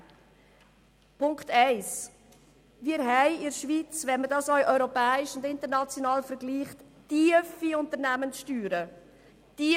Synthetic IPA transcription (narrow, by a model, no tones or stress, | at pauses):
pʰʊŋktɛɪs | viːɾɦɛɪɪdʃʋiːt͡svɛnmədɑːsœʏʔœʏɾɔpɛːɪʃʊndɪntəɾnɑt͡sjonɑːlfəɾɡliːχt | tiəfiʊntəɾnæmənsʃtyːɾə | ti